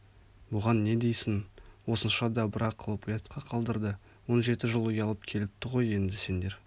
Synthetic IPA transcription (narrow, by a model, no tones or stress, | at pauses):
bʊʁɑnːe̞d̪e̞jsɪnwo̞sənʃɑd̪ɑbɪɾɑqʰːəlˠəpujet̪qʰɑqʰɑlˠd̪əɾd̪ə | wo̞nʒe̞t̪ɪʒəlˠʊjɑlˠəpkʲʰe̞lɪp̚t̪ɪʁo̞je̞nd̪ɪse̞nd̪e̞ɾ